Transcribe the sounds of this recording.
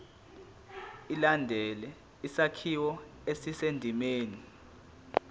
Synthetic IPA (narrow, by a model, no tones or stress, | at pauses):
ilandʱɛlɛ | isakʰiwɔesisendʱimeːni